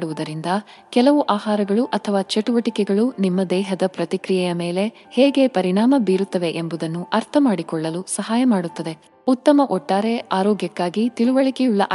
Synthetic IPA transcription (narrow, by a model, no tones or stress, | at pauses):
ɽuʋud̪ɐɾind̪ɐ | kɛlɐʋuʔaːɦaːɾɐɡɐɭuʔɐt̪ʰɐʋaːt͡ʃeʈuʋɐʈikɛɡɐɭunimːɐd̪ɛːɦɐd̪ɐpɾɐt̪ikɾijɛjɐmeːle̞ | heːɡe̞pɐɾiɳaːmɐbiːɾut̪ːɐʋe̞ʔembud̪ɐnːuʔɐɾt̪ʰɐmaːɽikɔɭːɐlusɐɦaːjɐmaːɽut̪ːɐd̪e̞ | ut̪ːɐmɐʔɔʈːaːɾe̞ʔaːɾɔːɡjɐkːaːɡit̪iɭuʋɐɭikɛjuɭːɐʔ